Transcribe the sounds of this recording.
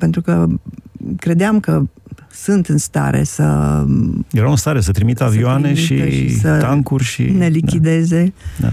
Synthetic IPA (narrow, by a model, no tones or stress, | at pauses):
pe̞nt̪ɾukə | kɾe̞d̪eamkəsɨnt̪ɨnst̪a̰ɾe̞̰sə̰ | jeɾawɨnst̪aɾe̞sət̪ɾimit̪əaviioane̞iʃieʃisəaŋkurʲʃḭne̞lidk̪ʲid̪e̞ze̞d̪a̰